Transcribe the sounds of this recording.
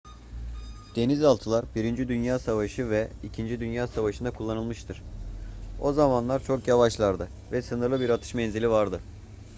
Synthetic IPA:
d̪̥e̞nizalˠt̪ʰɯlˠaɾbiɾind͡ʒid̪ynjaːsavaʃɯvɛicʰind͡ʒid̪ynjaːsavaʃɯnd̪akʰulˠːanɯlˠmɯʃt̪ʰɯɾ̥ | o̞zamanlˠaɾt͡ʃʰo̞kjavaʃlˠaɾd̪ɯ | vɛsɯnɯɾlˠɯbiɾat̪ʰɯ̥ʃmɛnzilʲivaɾd̪ɯ

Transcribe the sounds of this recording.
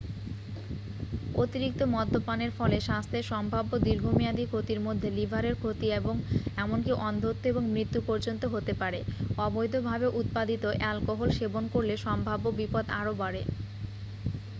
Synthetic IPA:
o̰t̪iɾik̚t̪omɔd̪ʱːopaneɾfɔleʃast̪ʰeʃɔmbʱabːod̪iɾɡʱomiad̪ikʰot̪iɾmod̪ʱːelibʱaɾeɾkʰot̪ieboŋɛmonkiʔɔnd̪ʱot̪ːoeboŋmɾit̪ːupɔɾd͡ʑont̪oɦot̪epaɾeɔbojd̪ʱobʱabeʔut̪̚pad̪it̪oʔɛlkoɦolʃebonkoɾleʃɔmbʱabːobipod̪aɾobaɾe

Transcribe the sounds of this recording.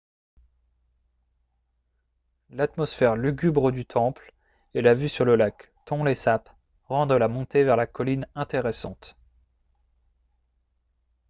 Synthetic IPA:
lat̪mɔsfɛʁlyɡʲybʁəd̪yt̪ʰɑ̃pl | elavysyʁləlak | t̪ɔ̃lesap | ʁɑ̃d̪ʁəlamɔ̃t̪evɛʁlakɔlinɛ̃t̪eʁɛsɑ̰̃t̪

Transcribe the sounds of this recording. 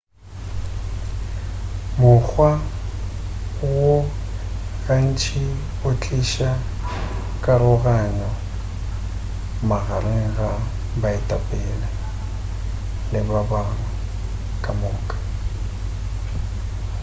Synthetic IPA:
mʊk͡xʰwa | wo | ɣan̩t͡ʃʰʼi | ʊt͡ɬʼiʃa | kʼaɾʊɣaɲɔ | maɣarɪŋ̩ɣa | baɪtʼapʼɛːla | lɪbabarʊ | kʼamʊːkʼḁ

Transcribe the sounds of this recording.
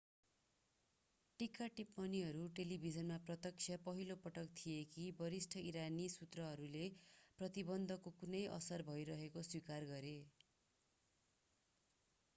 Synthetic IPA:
ʈikaʈipmʌniɦʌɾuʈelibʱid͡zʌnmaprʌt̪ʌk̚sʰjʌpʌɦilopʌʈʌkt̪ʰiekʰibʌɾisʈʰʌiɾanisut̪rʌɦʌɾuleprʌt̪ibʌnd̪ʱʌkokunʌjʔʌ̰sʌrbʱʌjɾʌɦekoswikarɡʌɾe

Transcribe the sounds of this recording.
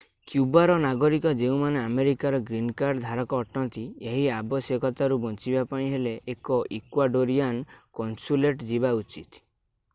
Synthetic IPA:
kjubaɾɔnaɡɔɾikɔd͡ʒeũmaneameɾikaɾɔɡɾinkaɾɖd̪ʱaɾɔkɔːʈɔnt̪ieɦiabɔsjɔkɔt̪aɾubɔnt͡ʃibapãĩɦeleʔːkɔʔikwaɖoɾiankɔnsuleʈd͡ʒiβaut͡ʃit̪

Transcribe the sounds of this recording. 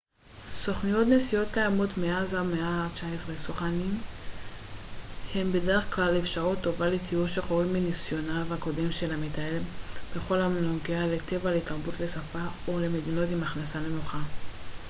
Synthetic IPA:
so̞χnijo̞tnesijo̞tkajamo̞tmeazameaʁt͡ʃaesʁesoχanim | he̞mbe̞de̞ʁe̞χklalefʃaʁutːo̞valetʰiuʃeχoomenisjo̞navhako̞de̞mʃe̞lamitaelb̥e̞χo̞lamnoɡeale̞te̞valeitaʁbutle̞safaole̞me̞dino̞timaχnasale̞noχa

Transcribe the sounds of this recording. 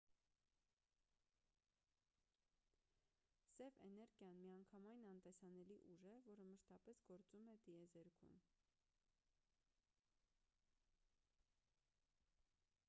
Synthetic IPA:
sɛvɛnɛɾɡjɑnmiɑŋkʰɑmɑjnɑnt̪ɛsɑnɛliʔuʒɛvɔɾəməʃt̪ɑpɛsɡ̥ɔɾt͡sumɛt̪iɛzɛɾkʰṵn

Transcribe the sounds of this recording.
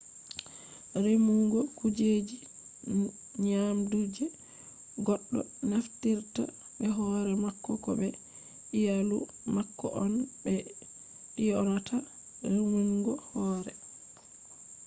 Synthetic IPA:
ɾimuŋɡɔkud͡ʒed͡ʒi | ɲamdud͡ʒɛ | ɡɔɗːɔ̰naftiɾta̰ | bɛɦɔɾɛmakːɔkɔ̰bɛ | ijalu | makːɔ̰ʔɔnbɛ | ijɔnatʰa | ɾemuŋɡɔhɔːɾɛ

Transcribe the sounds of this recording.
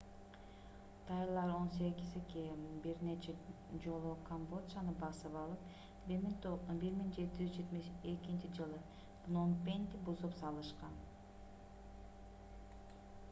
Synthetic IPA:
t̪ʰɑjlˠɑɾo̞nse̞ɡʲizekejmbiɾne̞t͡ʃe | d͡ʒo̞lˠukʰombo̞t̪sɑnɯbɑsɯpɑlˠɯp | biɾmiŋd͡ʒe̞t̪id͡ʒyzd͡ʒet̪mekint͡ʃid͡ʒɯlˠɯ | vnompʲenʲt̪ɪbuzupsɑlˠɯʃqɑn

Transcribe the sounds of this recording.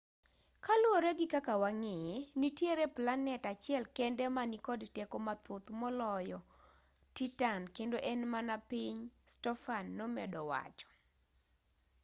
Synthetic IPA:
kalwoɾeɡɪkakawaŋejenitjeɾeplanɛtat͡ʃɪɛlkɛndɛmanikɔdtɛkɔmat̪ot̪mɔlɔjɔ | titankendoʔɛnmanapiɲstɔfanːɔmɛ̰dɔwa̰t͡ʃɔ̥

